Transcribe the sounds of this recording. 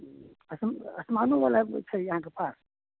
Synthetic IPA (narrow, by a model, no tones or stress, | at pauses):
əsməsmanuʋalat͡ʃʰəjɐɦãk̬epʰas